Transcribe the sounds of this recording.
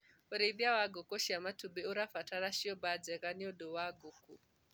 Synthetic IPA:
ɔɾiðjawaɡɔkɔʃiamatubɛuɾafataɾaʃiɔbad͡zɛɣaniɔdɔwaɡuku

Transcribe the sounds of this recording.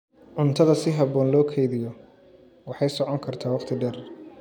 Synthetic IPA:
ʕʊnt̪ʰɐðɐsɪɦɐβɔːnlɔːkʰɛjðɪjɔ | wɑħɑjsɔʕɔŋkʰɐrt̪ʰaːwɑχqt̪ʰɪɖɛr

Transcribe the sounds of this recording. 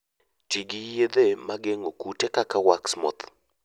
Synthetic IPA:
t͡ʃiɡɪjed̪emaɡeŋokutekakawaksmɔ̰t̪

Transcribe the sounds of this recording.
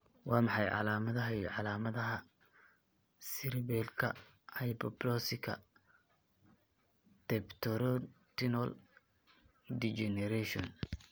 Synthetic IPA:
wɑːmɑħɑjʕɑ̰laːmɐðɐɦɐiʕɑlaːmɐðɐɦɐ | sɪɾbɛlkʰɐ̰ | hɐjbɔblɔsɪkʰɐ̰ | t̪ɛpt̪ʰɔɾɔt̪ʰɪnɔl | d̪it͡ʃɛnɛɾɛʃɔn

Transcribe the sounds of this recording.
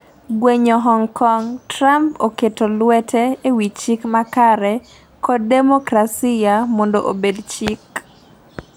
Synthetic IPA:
ɡweɲoɦɔŋkɔŋtɾampoketolwɛtʰɛewit͡ʃikmakaɾɛ | kʰɔd̚demokɾasijamondoʔobedt͡ʃik

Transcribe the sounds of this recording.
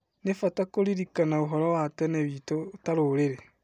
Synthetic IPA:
nefatakoɾiɾikanaoɦɔɾɔwatɛneβitotaɾoɾeɾe

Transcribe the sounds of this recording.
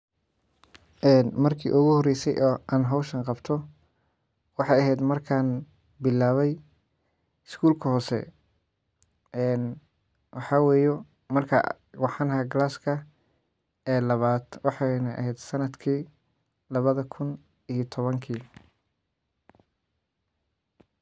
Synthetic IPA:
ʔɛːnmɐrkʰḭːʔʊɣʊhɔrɛjsɛ̰jʔɔːaːnɦɐwʃɐŋqɑbt̪ʰɔ | wɑħɑjɐɦɛjd̪mɐrkʰaːn | bɪlːaːβɛj | ɪskʰuːlkʰɐhɔːsɛ̰ | ʔɛːn | wɑħɑːwɛːjɔ | mɐrkʰɐ̰ | wɑħɑnhɐɡlaːskʰɐ | ɛːlɐβaːd̪wɑħɑnɐʔɐ̰ɦɛjd̪sɐnɐd̪kʰiː | lɐβɐðɐkʰʊn | iːjt̪ʰɔβɐŋkʰiː

